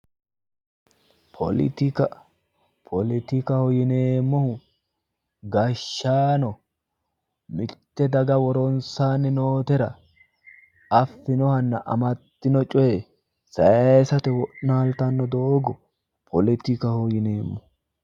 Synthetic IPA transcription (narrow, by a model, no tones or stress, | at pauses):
pʰɔ̰lɪ̰t̪ɪkɐ | pʰɔlɪt̪ɪkɐhɔjɪne̞ːmːɔhʊ | ɡɐʃːaːnɔ | mɪt̪ːɛd̪ɐɡɐwɔɾɔnsaːnːɪnoːt̪ɛɾɐ | ɐfːɪnɔhɐnːɐʔɐ̰mɐt̪ːɪnɔt͡ʃʼɔjɛ | sɐjɐsɐt̪ɛwɔʔnaːlt̪ɐnːɔd̪oːɡɔ | pʰɔlɪt̪ɪkɐhɔjɪneːmːɔ